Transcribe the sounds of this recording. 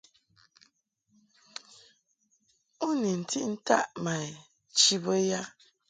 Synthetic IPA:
u˦ni˨n̩˨tʰi˦ʔn̩˦ta̰˦ʔma˨e˨ | t͡ʃi˦bo˦ja˦

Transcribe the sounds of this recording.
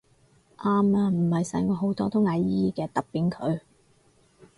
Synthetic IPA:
ʔaː˥maː˧m̩˨˩hɐ˨jsɛː˨˩ŋkɔː˧ɦo˨˥wt̪ɔː˥t̪ʊ˥ŋaː˨˧jjiː˥jiː˨˧kɛː˧t̪ɐ˨˩k̚pːiː˨˥nkʰɵ˨˧ɥ

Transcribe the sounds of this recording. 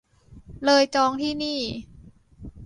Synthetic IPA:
lɤː˧jt͡ɕɔː˧ŋt̪ʰiː˥˩niː˥˩

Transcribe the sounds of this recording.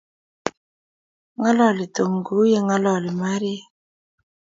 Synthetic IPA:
ŋa˦lɔ˦˨li˨to˨ŋɡu˨˦je˦ŋa˦lɔ˨lɪ˨ma˦ɾi˦

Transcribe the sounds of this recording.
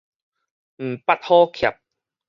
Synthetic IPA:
m̩˨˩pa˦t̚hɔː˦kʰja˨˩p̚

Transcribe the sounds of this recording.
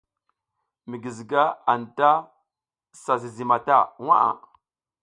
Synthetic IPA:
mi˨ɡi˨zi˨ɡa˦a˨n˨ta˦ | sa˨zi˨zi˨ma˨ta̰˦˨wa̰˦a̰˨

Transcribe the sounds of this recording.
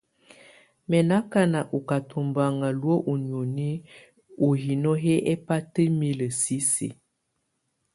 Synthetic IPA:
mɛ˨na˦ka˦na˨ʔu˨ka˨tʰu˨mba˨ŋa˨lwo˦ʔu˨ɲ˨o˨ni˦ | u˨ɦi˨nɔ˦ɦe˦ʔɛ˦pa˦tə˦me˦lə˨si˦sḭ˨

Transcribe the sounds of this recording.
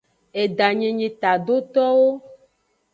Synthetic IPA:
e˨ɖa˨ɲẽ˨ɲẽ˨t̪a˨ɖo˦t̪ɔ˦wo˦

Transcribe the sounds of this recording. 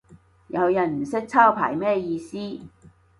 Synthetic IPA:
jɐ˨˧wjɐ˨˩nm̩˨˩sɪ˥k̚t͡sʰaː˥wpʰa̰ː˨˩jmɛː˥˧jiː˧siː˥

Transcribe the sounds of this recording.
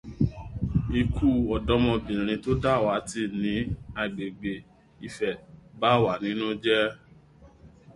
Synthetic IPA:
i˧kʰu˦˨ɔ˨dɔ˨˦mɔ̃˧bĩ˨ɾ̃ĩ˧to˦da˦˨wa˨˦ti˧˨nĩ˨˦a˧˨ɡ͡be˨ɡ͡be˨ | i˧fɛ˨ba˦˨wa˨˦˨nĩ˨˦nũ˦d͡ʒɛ˦

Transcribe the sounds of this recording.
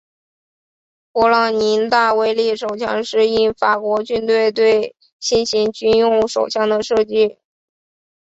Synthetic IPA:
pwɔ˧˥lɑ˧˥ŋni˧˥nt̪a˥˩we˧˥ɪli˥˩ʂo˨˩ʊt͡ɕʰjɑ̰˥˧ŋʂɻ̩˥˧i˥nfa˨˩kwɔ˧˥t͡ɕy˥˧nt̪we˥˧ɪt̪we˥˧ɪ | ɕi˥˩nɕi˧˥ŋt͡ɕy˥˧njʊ˥˩ŋʂo̰˨˩ʊɕjɑ˥˩ŋd̪ə˨ʂɤ˥˧t͡ɕi˥˩

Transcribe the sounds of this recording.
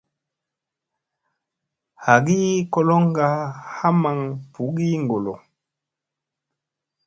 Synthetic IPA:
ha˨ɡi˦ko˦lo˦ŋɡa˦ha˦ma˨ŋpu˨˦ɡi˦ŋɡo˨lo˨

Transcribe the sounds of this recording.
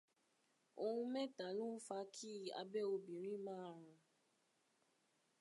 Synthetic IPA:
o˧hũ˧mɛ̃˦ta˨˦lũ˦fa˧kʰi˦˨a̰˧bɛ˦o˧bĩ˨ɾ̃ĩ˦mãː˦˨ɾ̃ã˧

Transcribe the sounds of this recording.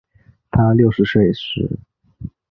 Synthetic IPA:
t̪ʰa˥ljo˥˩ʊʂɻ̩˧˥swe˥˩ɪʂɻ̩˧˥˦

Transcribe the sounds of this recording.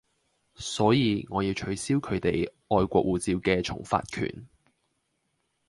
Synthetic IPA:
sɔː˨˥jiː˨˧ŋɔː˨˧jiː˧wt͡ʃʰɵ˨˥ɥsiː˥wkʰɵ˨˧ɥt̪e˨j | ɔː˧jkʷɔː˧k̚wuː˨t͡siː˧wkɛː˧t͡ʃʰʊ̰˨˩ŋfa̰ː˧t̚kʰy̰ː˨˩n

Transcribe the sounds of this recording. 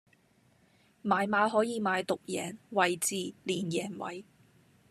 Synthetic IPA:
maː˨˧jmaː˨˥ɦɔː˨˥jiː˧maː˨˧jt̪ʊ˨k̚jɛː˨˩nwɐ˨jt͡siː˧liː˨˩njɛː˨˩nwɐ̰˨˩j

